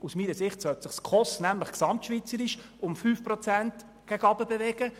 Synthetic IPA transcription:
usmiːnəsɪχtsœltsɪχskʰɔstnæmləχksɑmtʃʋit͡səɾɪʃ | ʊmfyːfpɾɔt͡sænt | ɡ̥æɡɑbəbevɛɡ̥ə

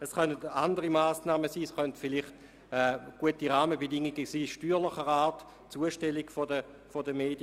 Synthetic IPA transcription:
ɛsχœnətandəʁimaːsnaːməsiːsχœntfɪlɪχt | ɛɡ̥uətiʁaːməbedɪŋːiɡəsiːʃtyːʁlɪχəʁaːt | t͡suəʃtɛliɡfodə | fodəmeːd̥jə

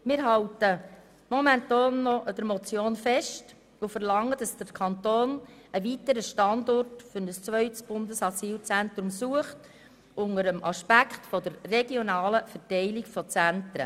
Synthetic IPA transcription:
mɪːɾɦɑltə | mɔmɛntɑːnːɔʔəd̥əɾmɔt͡sjoːnfɛʃt | ʊfəɾlɑŋːəd̥ɑsd̥əɾkʰɑntoːnəʋitəɾəʃtɑndɔrtfʏɾnəst͡sʋœʏtsb̥ʊndəsɑsiːlt͡sænt̪ɾumsuəχt | ʊŋəɾəmʔɑʃpækχtfɔd̥əɾːeɡjɔnɑːləfɛɾtɛɪlikfɔt͡sæntɾə̰

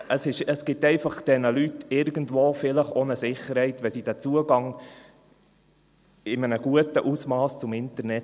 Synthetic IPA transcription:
əsɪʃəsɡ̥ɪtɛɪfɑχd̥ɛnəlytɪɾɡən̩dʋoːfɪləχonəsɪχːəɾhɛɪtʋɛsid̥æːt͡suəɡɑŋ | ɪmənəɡuətəʔusmɑːst͡sʊmɪntəɾnɛt

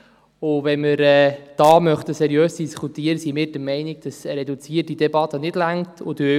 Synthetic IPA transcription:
ʊʋɛnməɾɛːd̥ɑːmœχtəsɛɾjøːsd̥iskʰutiːəɾəsimɪːɾd̥əmɛɪnɪɡ̚d̥ɑsɾɛdut͡siətidɛbɑt̪ːənɪdlæŋtʰʊdø

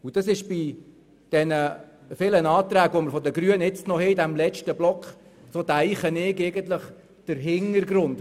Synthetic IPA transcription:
ud̥ɑsɪʃb̥i | d̥ɛnə | fɪlənɑːt̪ɾæːɡʋoməɾfɔd̪əɡɾyənɪt͡stnɔhɛidæmlɛt͡ʃtəblɔkχ | sod̪æɪχənɪɡɛɪɡənt̪ləχ | d̥əɾɦɪŋəɾɡɾʊnd

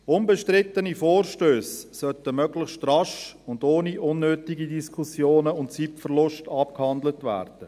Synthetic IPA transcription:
ʊnbəʃtrɪtənifoːrʃtøːsːœtəmœɡləχʃtrɑʃʊndoːniʔʊnːøːtɪɡidiskʰusjoːnəʊntt͡sipfərlʊʃtɑp̚khɑndlətvæ̰ːrd̥ə

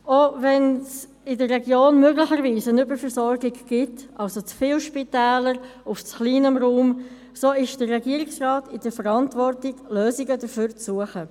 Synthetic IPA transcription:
ovɛns | ɪdərːɛɡjoːnmøɡlɪçəɾviːsənʏbəɾfəɾsɔɾɡɪɡɡ̥ɪtʔɑlsot͡sfiːlʃpitɛːləɾʊft͡sχliːnəmɾuːm | soːɪʃd̥ərːɛɡiːəɾɪksrɑːtɪd̥əɾfəɾɑntvɔrtɪɡ̥løːzɪɡədəføːɾt͡sːuəχə

